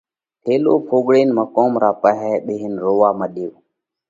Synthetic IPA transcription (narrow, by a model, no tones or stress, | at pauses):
t̪ʰeːloːpʰoːɠɽeːnmãːkoːmɾaːpəɦɛːɓeːɦɪnɾoːʋaːməɗeːʋ